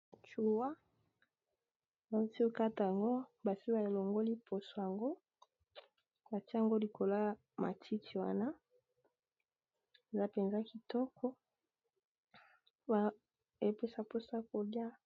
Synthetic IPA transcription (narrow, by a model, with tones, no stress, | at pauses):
t͡ʃu˨wa˦ | ba˨u˦ti˦o˦ka˦ta˨a˨ŋɡo˦ba˨si˦ba˨e˨lo˨ŋɡo˦li˦pʰo˨so˨ja˨ŋɡo˦ | ba˨ti˦a˦˨ŋɡo˦li˨kʰo˨la˦ | ma̰˨tʰi˦tʰi˨wa̰˦na˦ | e˨za˦pe˨nza˦ki˨tɔ˦kʰɔ˦ | ba˨ | e˦pe˦sa˦po˦sa˦ko˨lja˦